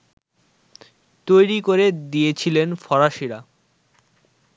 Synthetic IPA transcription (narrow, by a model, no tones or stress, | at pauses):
t̪ojɾikoɾed̪ijet͡ɕʰilenfɔɾaʃiɾa